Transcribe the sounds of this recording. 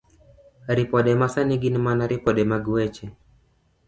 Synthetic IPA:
ɾipɔɗɛmasaniɡinmanaɾipɔɗɛmaɡuɛt͡ʃɛ

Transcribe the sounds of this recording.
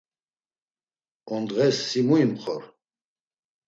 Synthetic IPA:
ɔnd̪ʁɛsːimuimχɔɾ

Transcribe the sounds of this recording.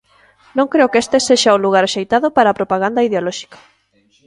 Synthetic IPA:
nõŋkɾeʊkest̪eseʃauluɣ̞aɾaʃejt̪aðʊpaɾaːpɾopaɣ̞and̪ɐiðeolɔʃi̥kḁ

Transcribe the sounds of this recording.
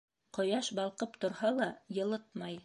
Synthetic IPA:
qŏjɑʃbɑlˠqɤpt̪ŏɾhɑlˠɑjɤ̆lˠɤt̪̚mɑj

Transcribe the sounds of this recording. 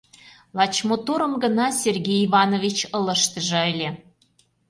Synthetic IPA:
lɑt͡ɕmot̪oɾə̆mɡə̆nɑsʲerɡʲejivɑnovʲit͡ɕə̆lə̆ʃt̪ə̆ʒɤ̆əlʲĕ

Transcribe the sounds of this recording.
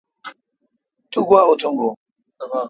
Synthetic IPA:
t̪ʰuɡaʊt̪ʰʊŋɡo

